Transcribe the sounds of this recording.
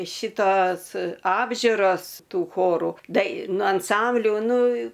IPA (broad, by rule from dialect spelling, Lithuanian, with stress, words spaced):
ˈʃʲɪtoːs ˈɑːbʲʒʲʊroːs ˈtuː ˈxoːrʊ dɐɪˈnuː ɐnˈsɐmʲbʲlʲʊ ˈnʊ